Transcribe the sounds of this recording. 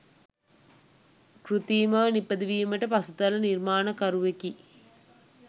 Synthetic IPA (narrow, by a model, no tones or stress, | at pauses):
kɾut̪iːmɐʋnipːɐd̪iʋiːməʈəpɐsut̪ɐlɐniɾmaːnɐkɐɾuʋeki